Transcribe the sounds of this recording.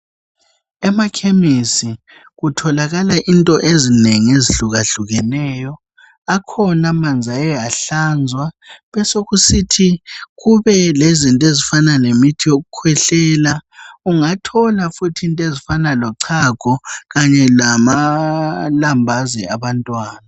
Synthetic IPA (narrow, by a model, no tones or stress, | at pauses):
ɛmakʰemisi | ɣutʰɔlaɣalaʔintʼɔʔezineŋieziɬuɣaɬuɣɛnɛːjɔ | akʰɔnamand͡zʱajɛjaɬand͡zʱwaβɛsoɣusitʰiɣuβɛlezintʼezifananemitʰijoɣukʰwɛɬɛːlauŋatʰɔlafutʰintʼezifanalɔǀʰaɡ̥ʱɔɣaɲɛlama | lambʱazɛaβantʼwaːna